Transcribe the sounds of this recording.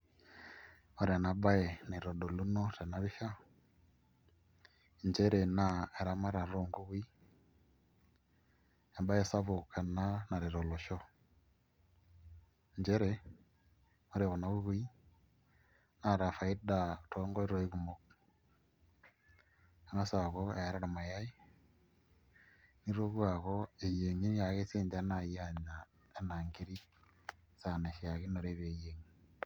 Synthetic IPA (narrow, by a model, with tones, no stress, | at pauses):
ɔ˨ɾa˨na˨ba˦ɛ˨ni˨ɾɔ˨dɔ˨lu˦nɔ˦ta˨na˦βi˦ʃa˦ | ɲd͡ʒɛ˦ɾɛ˨na˨e˨ɾa˨ma˦ɾa˨ɾɔ˦˨ŋɡu˦βi˦ | a˨ba˦jɛ˦sa˦βu˨ka˨na˦na˨ɾi˨ɾɔ˨lɔ˨ʃɔ˦ | ɲd͡ʒɛ˦ɾɛ˨ | ɔ˦ɾɛ˨ɔ˨na˨βu˦βi˦ | na˨ɾa˨fa˨i˦da˨tʰoː˦ŋɡo˦i˦ɾo˦i˦ku˨mo˦k̚ | a˨ŋa˦sa˨ɣo˦e˨˦ɾa˦ɾa˨ma˨ja˦i˦ | ni˦ɾo˦ɣwa˨ɣo˦e˨je˨ŋi˦n˦ja˨ɣe˦seː˦nda˦na˨ja˦ɲa˨ | e˨na˨ŋɡi˦ɾi˦ | sa˨ne˨ʃja˨ɣi˦no˨ɾe˦βe˨je˨ŋi˦